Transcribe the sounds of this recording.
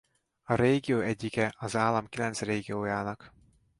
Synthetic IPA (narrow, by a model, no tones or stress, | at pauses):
ɒɾeːɡijoːɛɟːikɛɒzaːlːɒmkilɛnt̪sreːɡioːjaːnɒk